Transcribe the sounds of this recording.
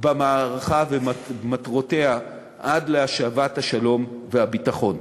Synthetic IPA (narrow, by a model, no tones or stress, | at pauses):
bamaːʁaχavematʁo̞te̞a | ʔadleaʃavathaʃalo̞mvehabitaχo̞n